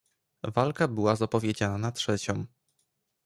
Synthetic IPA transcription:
valkabɘwazapɔvʲjed͡ʑananatʂɛt͡ɕɔ̃m

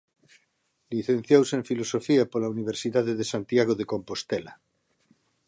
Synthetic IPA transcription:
liθen̟θjowseɱfilosofiapolauniβ̞eɾsiðaðeðesant̪jaɣ̞oðekompost̪ela

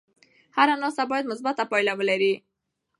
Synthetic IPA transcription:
haɾanɔsabɔjad̪mʊsbat̪apajlawəlaɾi

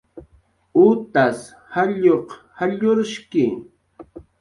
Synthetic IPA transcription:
ut̪as | haʎoq | haʎoɾʃkɪ

